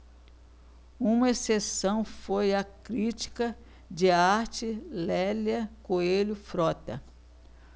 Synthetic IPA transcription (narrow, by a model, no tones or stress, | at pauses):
ũmɐesesɐ̃w̃fojɐkɾit͡ʃi̥kɐ | d͡ʒɪaɾt͡ʃɪlɛlɐkoelʊfɾɔt̪ɐ̰